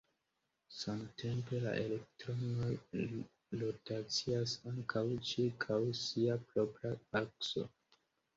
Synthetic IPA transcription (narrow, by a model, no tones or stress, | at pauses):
samte̞mpe̞la̰ʔe̞le̞k̚tɾo̞no̞j | lo̞tat͡siasaŋkʰawt͡ʃiɾkʰawsiapɾo̞pɾaakso̞̰